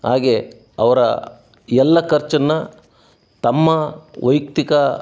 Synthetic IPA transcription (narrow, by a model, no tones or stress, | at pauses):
haːɡe | ɐʋɐɾɐ̰ | ɛlːɐkɐɾt͡ʃɐnːɐ | t̪ɐmːɐʋɐjk̚t̪ikɐ